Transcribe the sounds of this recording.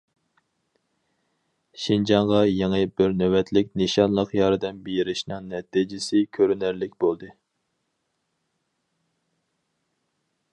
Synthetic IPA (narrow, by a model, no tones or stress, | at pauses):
ʃind͡ʒɑɴʁɑjeŋɨbɪɾnøwɛt̪ʰlɪk̚ʲneʃɑnlˠəqjɑɾɨd̪ɛnbejiɾɪʃnɨŋnɛt̪id͡ʒɪsɪkʲʰøɾynæɾlɪk̚ʲbolˠd̪ɨ